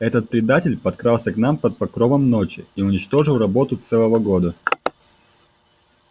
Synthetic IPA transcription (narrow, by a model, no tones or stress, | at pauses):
ɛt̪ət̪̚pɾʲɪd̪atʲɪlʲpɐt̪̚kɾalˠsʲəknampɐt̪̚pɐkɾovəmno̞t͡ɕɪ̰iʊnʲɪt͡ɕt̪o̞ʐɨlˠrɐbo̞t̪ʊt̪sɛlˠəvəɡo̞d̪ə